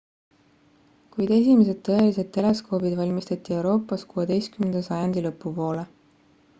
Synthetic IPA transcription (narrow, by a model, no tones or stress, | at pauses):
kujd̪̥e̞s̬ʲimes̬e̞d̪̥t̪ːɤ̞e̞lise̞d̪̚t̪ːe̞lesko̞ːbid̪vɑlʲmist̪ɑt̪ʲːˑie̞wɾo̞ːpːˑɑskuːe̞d̪e̞jskymend̪ɑsɑjɑnd̪̥ʲilɤpːupo̞ːle